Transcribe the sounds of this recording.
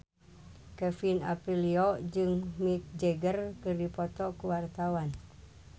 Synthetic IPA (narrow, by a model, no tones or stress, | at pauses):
kɛfina̰piliɔʔd͡ʒɨŋmik̚d͡ʒəɡərkɨrdipɔt̪ɔkuwart̪awan